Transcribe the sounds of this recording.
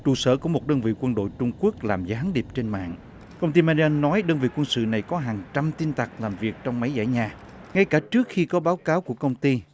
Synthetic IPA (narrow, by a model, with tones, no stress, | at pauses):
t͡ɕṵ˧˩sə̰ː˧˩kɔ˨˧˦mo˨˩t̚ɗəː˧nvḭ˧˨kwə˧nɗo̰˧˨jt͡ɕʊ˧ŋ͡mku˦˥ək̚laː˨˩mzaː˨˦ɦa˨˦ŋɗi˨˩əp̚t͡ɕe˧nma̰ː˧˨ŋ | kə˧wŋ͡mt̪i˧maː˧i˧a˧nːɔ˨˦jɗəː˧nvḭ˧˨kwə˧nsɨ̰˧˨na˨˩jkɔ˨˦ɦaː˨˩ŋt͡ɕa˧mt̪i˧nt̪a˨˩k̚laː˨˩mvi˨˩ək̚t͡ɕɔ˧wŋ͡mma˨˦jza̰ː˧˩jɲaː˨˩ | ŋa˧jkaː˧˩t͡ɕɨ˦˥ək̚xi˧kɔ˨˦ɓaː˨˦wkaː˨˦wku˧˩əkə˧wŋ͡mt̪i˧